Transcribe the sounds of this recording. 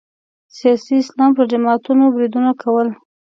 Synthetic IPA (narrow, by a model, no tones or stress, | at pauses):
sijɑsiɪslɑmpəɾd͡ʒɪmɑt̪unobɾid̪unakʰawəl